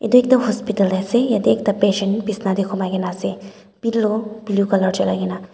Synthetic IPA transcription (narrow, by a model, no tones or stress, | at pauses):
ḛd̪oeːk̚d̪ɐmɦɔspɪʈəlɾɛsejɐd̪eːkʰt̪ɐpeːʃəɳʈpisnad̪ekʰomaɡenase | b̥illobljukɐləɾt͡ʃɐlaɡena